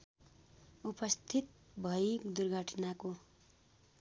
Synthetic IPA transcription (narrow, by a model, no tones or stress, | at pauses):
upʌst̪ʰit̪̚ | bʱʌikd̪urɡʱʌʈʰnako